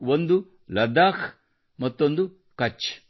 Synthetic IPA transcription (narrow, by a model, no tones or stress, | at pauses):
wond̪u | lɐd̪aːk | mɐt̪ːond̪u | kɐt͡ʃː